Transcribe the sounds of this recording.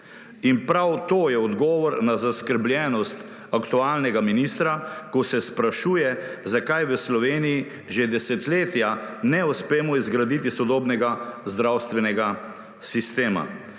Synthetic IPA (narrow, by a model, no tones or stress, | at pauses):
inpɾawt̪oːjɛɔd̪ɡɔːʋɔɾnazaskəɾblʲjɛːnɔst̪ | akt̪uaːlnɛɡaminist̪ɾakɔsɛspɾaʃujɛzakajʋəslɔʋeːniji | ʒed̪ɛsɛt̪leːt̪janɛuspeːmɔizɡɾad̪it̪isɔd̪oːbnɛɡazd̪ɾawst̪ʋɛnɛɡa | sist̪eːma̰